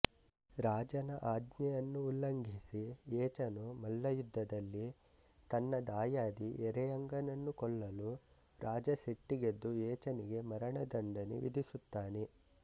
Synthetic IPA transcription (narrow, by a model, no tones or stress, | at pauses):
ɾaːd͡ʒɐnɐʔaːd̪ɲɐjɐnːuːlːɐŋɡʱisiɛːt͡ʃɐnumɐlːɐjud̪ʱːɐd̪ɐlːi | t̪ɐnːɐd̪aːjaːd̪iɛɾɛjɐŋɡɐnɐnːukɔɭːɐlu | ɾaːd͡ʒɐseʈːiɡed̪ːuɛːt͡ʃɐniɡe̞mɐɾɐɳɐd̪ɐɳɖɐnḭʋḭd̪ʱisut̪ːaːne